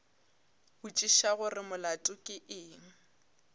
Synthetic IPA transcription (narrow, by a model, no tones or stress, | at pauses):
bʊt͡ʃʼiʃaɣʊrɪmʊlatʼʊkʼɪʔɪːŋ̩